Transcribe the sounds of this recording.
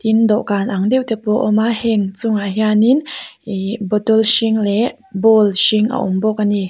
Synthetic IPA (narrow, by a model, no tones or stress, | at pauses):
t̪ind̪ɔʔkanʔaŋd̪ewt̪ɛpɔʔɔmahɛŋt͡suŋaɦjanin | bɔt̪ɔlʃiŋlɛ | bɔlʃiŋʔa̰ʔɔmbɔk̚ani